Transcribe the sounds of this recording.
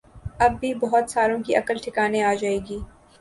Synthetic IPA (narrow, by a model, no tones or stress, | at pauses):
ɐbːibɐɦɔt̪saːɾõkiʔɐkəlʈʰɪkaːneaːd͡ʒaːeːɡiː